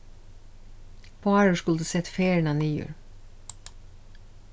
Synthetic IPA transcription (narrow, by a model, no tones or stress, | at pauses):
pʰoːæɹəʃkʉld̪ʉːsɛt̪feːɹəɳɑːniːjʉ̰ːɹ